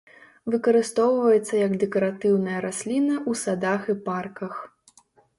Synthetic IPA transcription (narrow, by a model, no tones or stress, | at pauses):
vɨkɐɾɨst̪ɔwvɐjɛt̪sːɐjɐɡd̪ɛkɐɾat̪ɨwnɐjɐɾasʲlʲinɐʔusad̪axiparkɐx